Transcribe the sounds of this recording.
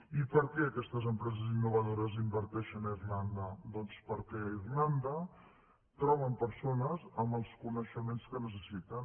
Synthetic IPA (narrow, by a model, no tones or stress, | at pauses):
ipəɾkɛəkɛst̪əzəmpɾɛzəzinːuβəðoɾəzimbəɾt̪ɛʃənəirland̪əd̪ɔnspəɾkɛirland̪ə | t̪ɾɔβ̞əmpəɾsonəzəmbəlˠskunəʃəmenskənəs̬əsit̪ən